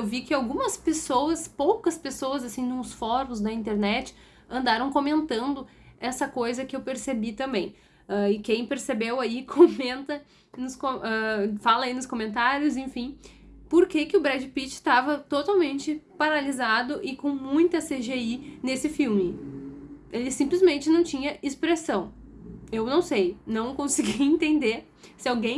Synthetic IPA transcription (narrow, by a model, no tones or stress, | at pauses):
wvikɪawɡũmɐspesowɐspowkɐspesowɐzasĩnũsfɔɾʊzd̪ɐĩnt̪eɾnɛt͡ʃɪ̥ | ɐ̃nd̪aɾɐ̃w̃komẽnt̪ɐ̃nd̪ʊ | ɛsɐkojzɐkɪewpeɾsebit̪ɐ̃mbẽj̃ | aɪkẽj̃peɾsebewaikʰomẽnt̪ɐ | nʊskoɛfalɐinʊskomẽnt̪aɾjʊzẽfĩ | poɾkekɪʊbɾɛd͡ʒɪpit͡ʃɪ̥st̪avɐt̪ot̪awmẽnt͡ʃɪpaɾalizad̪ʊʔɪkõmũj̃t̪ɐseʒeinesɪfiwmɪ | elɪsĩplɪzmẽnt͡ʃɪnɐ̃w̃t͡ʃĩɲɐespɾesɐ̃w̃ | ewnɐ̃w̃sejnɐ̃w̃kõsɪɡiẽnt̪ẽnd̪e | sɪawɡẽj̃